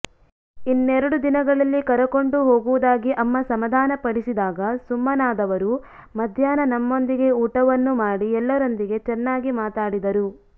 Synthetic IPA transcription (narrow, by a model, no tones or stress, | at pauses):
inːeɾɐɽud̪inɐɡɐɭɐlːikɐɾɐko̞ɳɖuɦo̞ːɡuʋud̪aːɡiʔɐmːɐsɐmɐd̪ʱaːnɐpɐɽisid̪aːɡɐsumːɐnaːd̪ɐʋɐɾu | mɐd̪ʱjaːnɐnɐmːo̞nd̪iɡe̞uːʈɐʋɐnːumaːɽiɛlːɐɾo̞nd̪iɡe̞t͡ʃɛnːaːɡimaːt̪aːɽid̪ɐɾu